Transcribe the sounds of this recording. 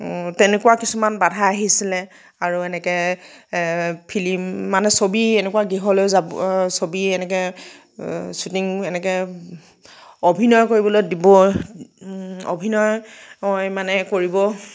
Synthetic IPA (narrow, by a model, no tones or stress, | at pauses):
tɛnɛkuwakisumanbadʱaaɦisilɛ | aɹuɛnɛkɛ | pʰilimːanɛsobiɛnɛkuwaɡiɦɔlozabsobiɛnɛkɛ | sutiŋɛnɛkɛ | obʱinɔjkoɹibɔlojdibɔ | o̰bʱinɔjmɔjmanɛkoɹibɔ